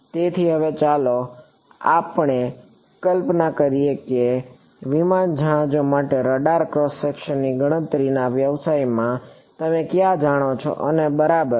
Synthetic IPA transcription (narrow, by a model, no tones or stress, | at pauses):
t̪et̪ʰiɦəʋet͡ʃalo | a̰pɳe | kəlpnakəɾijeke | ʋimand͡ʒʱãd͡ʒomaʈeɾəɖaɾkɾɔsːekʃənːiɡəɽ̃ə̃nt̪ɾinaʋjəʋsaimã | t̪əmekjãd͡ʒaɽ̃ot͡ʃʰo̰ʔənebəɾabəɾ